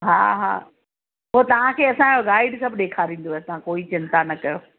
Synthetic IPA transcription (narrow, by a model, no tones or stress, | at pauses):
ɦa̰ːɦa̰ː | ɦot̪ɐʋ̤ãkʰeːɐsãoɡaːɪɖsɐbʱɗeːkʰaɾĩːn̆d̪oɛːt̪ɐʋ̤ãkoːit͡ɕɪ̃nt̪anɐkɐjoː